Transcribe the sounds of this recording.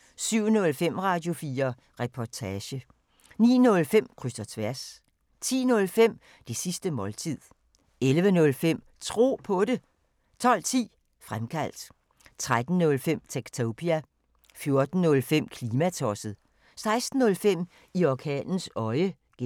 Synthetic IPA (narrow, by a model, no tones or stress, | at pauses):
syʊ̰nɔ̽lfem̰ʁɑ̈ːd̥jo̝fiːɐ | ʁɛpʰɒt͡sʰæɕə | nḭːnɔ̽lfem̰kʰʁysd̥ɐt͡sʰʋæɐ̰s | t͡sʰḭːnɔ̽lfem̰ | d̥e̝sisd̥əmɒ̽lt͡sʰið̰ˠ | elʋənɔ̽lfem̰ | t͡sʰʁo̝̰ːpʰɒ̽ɾe̝ | t͡sʰɒ̽l̰t͡sʰḭː | fʁamkʰæl̰d̥ | t͡sʰʁad̥n̩ːɔ̽lfem̰t͡sʰeɡ̥t͡sʰopʰiæ | fjo̝ɐd̥n̩ːɔ̽lfem̰kʰliːmæt͡sʰɒsəð̩ˠ | sɑ̈ɪsd̥n̩ːɔ̽lfem̰ | iɒkʰɛ̰ːnn̩sɒ̽ɪə | ɡ̥e